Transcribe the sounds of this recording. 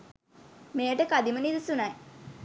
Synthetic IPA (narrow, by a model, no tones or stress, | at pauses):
mejəʈəkad̪imənid̪isunaj